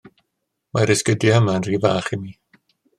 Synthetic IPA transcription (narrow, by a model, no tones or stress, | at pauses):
maɾɪskədiəmanriːvaːχimiː